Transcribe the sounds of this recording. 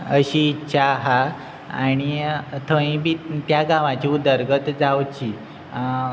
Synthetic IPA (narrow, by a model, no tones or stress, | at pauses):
əɕiːtːɕʰaɦa | aɽ̃it̪ʰə̃ĩbiːt̪jaɡãʋãt͡ɕiud̪əɾɡət̪d͡zawt͡ɕi